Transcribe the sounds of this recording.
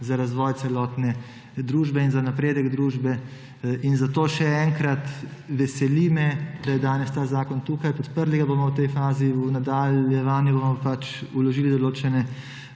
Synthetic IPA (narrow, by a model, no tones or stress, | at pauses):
zaɾazʋɔːjt̪sɛlɔːt̪nɛ | d̪ɾuːʒbɛinzanapɾeːd̪əɡd̪ɾuːʒbɛ | inzat̪oːʃɛɛŋkɾat̪ʋɛsɛlimɛd̪̥ajɛd̪aːnɛst̪aːzaːkɔnt̪uːkajpɔt̪pəɾliɡabomɔwt̪ɛjfaːziunad̪aljɛʋaːnjubomɔpat͡ʃulɔʒiːlid̪ɔloːt͡ʃɛnɛ